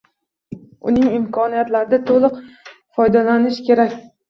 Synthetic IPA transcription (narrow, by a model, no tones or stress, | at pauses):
ʊ̰nɪŋɪmkʰɒnijat̪laɾɪd̪at̪ʰolˠɨq | fɒjd̪alanɪʃkʲʰe̞ɾakʲ